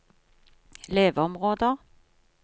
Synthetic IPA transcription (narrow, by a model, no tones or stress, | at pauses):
leːʋəɔmʁoːd̪əʁ